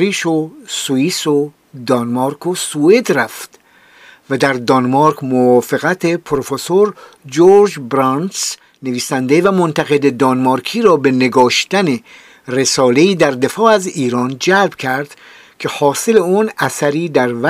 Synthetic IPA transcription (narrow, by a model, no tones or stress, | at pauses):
ɾiːʃosuiːso | d̪ɒnmɑːɾkʰosued̪ræft̪ | væd̪æɾd̪ɒnmɑɾkʰmovɒːfeɣæt̪ʰepʰɾofesoɾ | d͡ʒoɾd͡ʒbɾɑns | ne̞viːsænd̪evæmo̞nt̪ʰæɣe̞d̪ed̪ɒnmɑːɾkʰiːɾɒːbe̞ne̞ɡɒːʃt̪æne̞ | re̞sɒːle̞iːd̪æɾd̪e̞fɒːæziːɾɒːnd͡ʒælb̥cʰæɾd̪̥ | kʰe̞hɒːse̞le̞uːnæsæɾiːd̪æɾvæ